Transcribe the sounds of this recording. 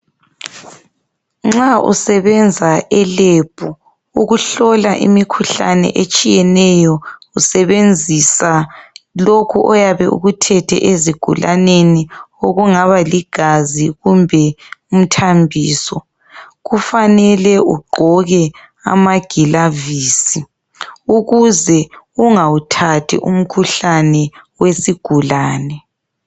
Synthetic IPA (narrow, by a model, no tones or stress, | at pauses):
ŋ͡ǁaṵsɛβɛnd͡zʱaʔɛleb̥ʱu | uɣuɬɔlaʔḭmikʰuɬa̰nɛ̰ʔet͡ʃʼijɛnɛjɔusɛβend͡zʱisalokʰuʔɔjaβɛ̰ʔṵɣutʰɛtʰɛ̰ʔeziɡ̥ʱṵlʔanenioɣuŋaβaliɡ̥ʱaziɣumbʱɛum̩tʰambʱiːsɔ | ɣufanɛlɛuɡ͡ǃʱɔɣɛ | a̰maɡ̥ʱilaviːsi | uɣuzɛ | uŋautʰatʰḭʔum̩kʰuɬanɛwesiɡ̥ʱulaːnɛ